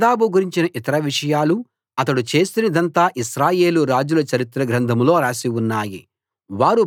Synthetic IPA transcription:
d̪aːbuɡuɾiɲt͡ʃinɐʔit̪ɐɾɐʋiʂɐjaːlu | ɐt̪ɐɽut͡ʃe̞ːst̪unɐd̪ɐnt̪aːʔiʃɾaːje̞ːluɾaːd͡ʒulɐt͡ʃɐɾit̪ɾɐɡɾɐnd̪ʱɐmlo̞ːɾaːsiwunːaːjḭ | ʋaːɾu

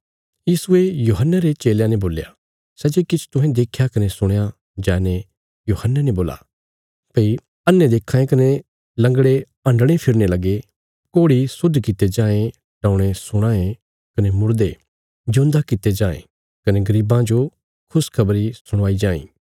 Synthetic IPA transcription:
jiːsʊejuːɦənːaɾet͡ʃeːljãneboːlja̰ | sɛːd͡ʒekɪt͡ʃʰt̪ʊ̃ɦẽd̪eːkʰjakɐnesʊɽ̃ja | d͡ʒɛːne | juːhənːeneboːla̰ | pɐi | ɐnːẽd̪eːkʰːãːẽkɐne | lɐ̃ŋɡɽe | ɐ̃ɳɖɽ̃epʰɪɾnelɐɡe | koːɽisʊd̪ʱkɪt̪ed͡ʒãːẽ | ʈãːʊɽ̃esʊɽ̃ãːẽ | kɐnemʊɾd̪e | d͡ʒʊ̃nd̪akɪt̪ed͡ʒãːḛ̃ | kɐneɡɐɾiːbãd͡ʒo | kʰʊskʰɐbəɾisʊɽ̃aːid͡ʒãːḭ̃ː

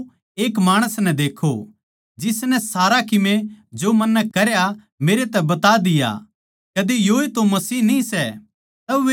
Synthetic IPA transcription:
eːkmaːɽ̃əsnɛ̃d̪eːkʰo | d͡ʒɪsnɛsaːɾakɪmẽd͡ʒomɐnːɛkɐɾja | meːɾet̪ɛbɐt̪aːd̪ɪja̰ | kɐd̪ejoːet̪omɐsiːɦnĩsɛ | t̪ɐʋe

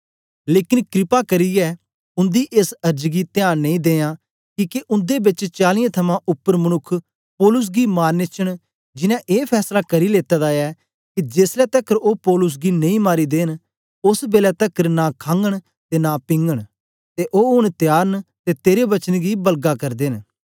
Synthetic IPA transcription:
leːkɪnkɾɪpakɐɾijɛː | ʊ̃nd̪iʔeːsɐɾd͡ʒɡit̪ɪjaːnnẽĩd̪eːjãː | kiːkeʔʊ̃nd̪ebɪt͡ʃt͡ʃaːlɪ̃jãt̪ʰɐmãʔʊpːəɾmɐnʊkʰː | pɔːlʊs̬ɡimaːɾnɪt͡ʃəɽ̃ | d͡ʒɪnãʔeːpʰɛːslakɐɾileːt̪ɛːd̪aɛ | kid͡ʒeːslɛt̪ɐkəɾoːpɔːlʊs̬ɡinẽĩmaːɾid̪eːn | ʊsbeːlɛt̪ɐkəɾnaːkʰãːŋɡəɽ̃ | t̪eːnaːpɪ̃ŋɡəɽ̃ | t̪eʔoːɦʊɽ̃t̪ɪjaːɾənt̪et̪eːɾebɐt͡ʃənɡibɐlɡakɐɾd̪eːn

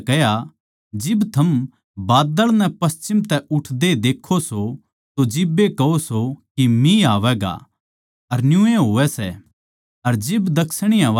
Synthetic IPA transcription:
kɛɦja | d͡ʒɪbt̪ʰɐm | baːd̪əɭnɛpɐst͡ʃɪmt̪ɛʔʊʈʰd̪ed̪eːkʰːoso | t̪od͡ʒɪbekɐosokimĩaːʋɛːɡa̰ | ɐɾnjʊ̃ẽɦoːʋɛsɛ | ɐɾd͡ʒɪbd̪ɐksəɽ̃ɪjãʋ

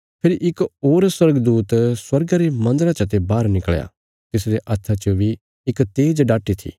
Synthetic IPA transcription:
pʰɪɾiʔɪkoːɾswɐɾɡd̪uːt̪swɐɾɡaɾemɐ̃nd̪əɾat͡ʃɐt̪̬ebaːɾnɪkɭja̰ | t̪ɪsɾeʔɐt̪ʰːat͡ʃobʱi | ɪkt̪eːd͡ʒɖaːʈit̪ʰḭː

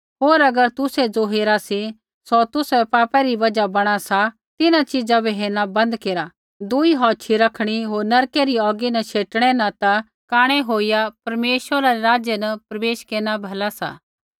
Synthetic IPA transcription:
ɦoːɾɐɡəɾt̪ʊsɛd͡zoɦeːɾasi | sot̪ʊsɛpaːpɛɾiʋɐd͡ʒabɐɽ̃asa | t̪ɪnãt͡ʃɪd͡zabiɦeːñabɐ̃nd̪keːɾa | d̪ʊiɦɔːt͡ʃʰiɾɐkʰɽ̃iɦoːɾnɐɾkeɾiɔːɡinɐʃʰeːʈɽ̃ɛnat̪a | kaːɽ̃ɛɦoːijapɐɾmeːʃʋəɾaɾeɾaːd͡ʒenɐpɾɐʋeːʃkeːnabʱɐlasa̰ː

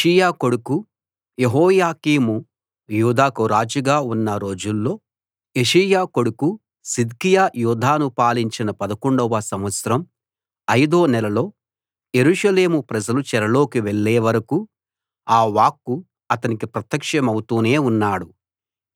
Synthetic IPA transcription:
ijaːko̞ɽuku | jeɦɔːjaːkiːmu | juːd̪aːkuɾaːd͡ʒiɡaːunːɐɾo̞ːd͡ʒulːo̞ː | eʂɐjaːko̞ɽuku | sid̪kijaːjuːd̪ʱaːnupaːliɲt͡ʃinɐpɐd̪ɐkoɳɖɔʋɐsɐmʋɐt̪sɐɾɐm | ɐjd̪o̞ːnɛlɐlo̞ː | je̞ɾuːʂɐle̞ːmupɾɐd͡ʒɐlut͡ʃɛɾɐlo̞ːkiʋeɭːeːʋɐɾɐku | aːʋaːkːu | ɐt̪ɐnikipɾɐt̪jɐkʂɐmɐwut̪uːne̞ːunːaːɽu

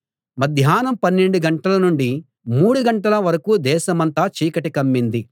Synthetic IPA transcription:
mɐd̪ʱjaːnɐmpɐnːe̞ɳɖuɡɐɳʈɐlɐnuɳɖi | muːɽuɡɐɳʈɐlɐʋɐɾɐkuːd̪ɛːʃɐmɐnt̪aːt͡ʃiːkɐʈikɐmːind̪i

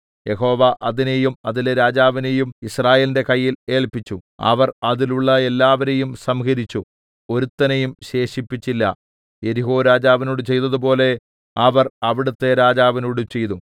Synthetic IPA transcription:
je̞ɦo̞ːʋɐʔɐðinejumɐðileɾaːd͡ʑaːʋinejumisraːjeːlinde̞kɐjːile̞ːɭpit͡ɕːuɐ̰ʋɐrɐðiluɭːɐelːaːʋɐɾe̞jumsɐmɣɐɾit͡ɕːu | o̞ɾut̪ːɐnejumɕe̞ːʂipːit͡ɕːilːɐ̰ | e̞ɾiɦoːɾaːd͡ʑaːʋinoːɽut͡ɕe̞jt̪ɐðupo̞ːle̞ | ɐʋɐrɐʋiɽut̪ːe̞ɾaːd͡ʑaːʋinoːɽut͡ɕe̞jt̪u

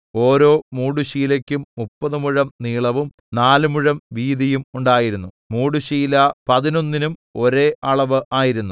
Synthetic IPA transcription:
o̞ːɾo̞ːmuːɽuɕiːlɐkʲːumːupːɐðɨmuɻɐmniːɭɐʋum | naːlɨmuɻɐmʋiːðijumuɳɖaːjiɾunːu | muːɽuɕiːlɐpɐðino̞nːinumo̞ɾeːʔɐɭɐʋɨʔaːjiɾunːu

